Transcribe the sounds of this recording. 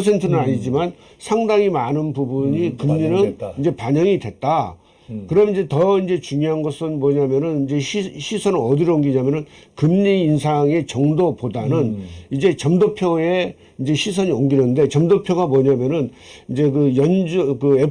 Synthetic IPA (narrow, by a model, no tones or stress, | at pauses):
sʰe̞ntʰɯnɯnaɲid͡ʑiman | sʰaŋdaŋimanɯnpubuɲikɯmɲinɯnind͡ʑe̞paɲʌŋidwe̞t̚t͈a | kɯɾʌmid͡ʑe̞tʌind͡ʑe̞t͡ɕuŋjoɦanɡʌsʰɯnmʌɲamjʌnɯnind͡ʑe̞ɕiɕʰisʰʌnɯnʌdiɾoŋɡiɲamjʌnɯnkɯmɲiːnsʰaŋe̞t͡ɕʌŋdopodanɯnid͡ʑe̞t͡ɕʌmdopʰjoe̞ | ind͡ʑe̞ɕʰisʰʌɲioŋɡinɯnde̞t͡ɕʌmdopʰjoɡamoɲamjʌnɯn | ind͡ʑe̞kɯjʌnd͡ʑkɯe